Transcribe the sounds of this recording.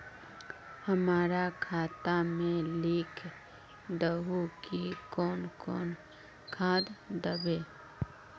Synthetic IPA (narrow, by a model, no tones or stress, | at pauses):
həmaːɾakʰaːt̪amẽliːkʰ | d̪əɦukikɔːnkɔːn | kʰãːd̪d̪əbeː